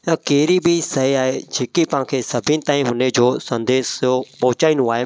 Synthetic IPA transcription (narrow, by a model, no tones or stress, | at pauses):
ɐkeːɾibɪsɐiaːɦed͡ʑeːkipãːkʰeːsɐbʱĩnɪ̆t̪aːĩɦʊned͡ʑoːsɐ̃nd̪eːsopɐɦʊt͡ɕaːĩnũaːɦe